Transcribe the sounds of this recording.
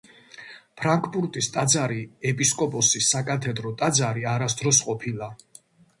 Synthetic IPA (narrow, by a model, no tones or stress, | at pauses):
pʰɾaŋkʰpʼuɾt̪ʼist̪ʼad̪zaɾiɛpʼiskʼɔpʼɔsisːakʼat̪ʰɛd̪ɾɔt̪ʼad̪zaɾiaɾasd̪ɾɔsqʼɔpʰilˠa